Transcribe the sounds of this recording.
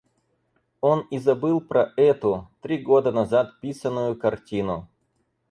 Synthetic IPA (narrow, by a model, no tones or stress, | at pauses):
onɪzɐbɨlˠpɾɐʔɛt̪ʊt̪ɾʲiɡod̪ənɐzat̪pʲisənːʊjʊkɐrtʲinʊ